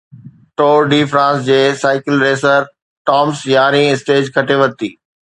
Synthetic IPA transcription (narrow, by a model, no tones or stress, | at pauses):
ʈoːɾɖiːfɾãːsd͡ʑeːsaːɪkɪlɾeːsəɾ | ʈɔːmsjaːɾĩɪsʈeːd͡ʑkʰɐʈeʋɐt̪iː